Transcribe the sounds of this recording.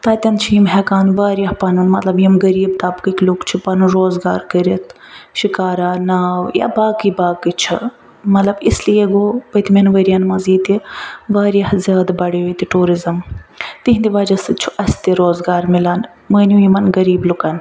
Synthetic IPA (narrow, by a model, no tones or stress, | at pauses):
t̪aːt̪ʲɐnt͡ʃʰijimɦɛkaːnʋaːɾjɐhpɐnɐnmɐt̪lɐbjimɡɐɾiːbt̪abkiklukt͡ʃʰipɐnɾoːzɡa̰ːɾkɐɾit̪ʰ | ʃikaːɾaːnaːwja̰baːkibaːkɨt͡ʃʰḭ | mɐt̪lɐbislijeɡoːʋət̪mʲɐnʋəɾijanmɐziːt̪iʋaːɾjɐhzʲaːd̪bɐɽeʋɐt̪iʈuːɾizɐmt̪iɦnd̪iʋaːd͡ʒɐsɨt͡ʃʰuʔɐsʲt̪iɾoːzɡaːɾmilɐːn | məːnjujimɐnɡɐɾiːblukɐn